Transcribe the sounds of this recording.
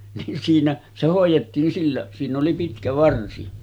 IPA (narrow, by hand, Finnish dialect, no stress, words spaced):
nin siːnæ se hoˑijˑetːiːn silːæ siːnˑ oli pitkæ ʋɑrsi